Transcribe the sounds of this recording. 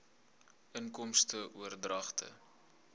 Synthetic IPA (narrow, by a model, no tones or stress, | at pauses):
ʔəŋkɔmstəʔuərdrɐχtʰə̰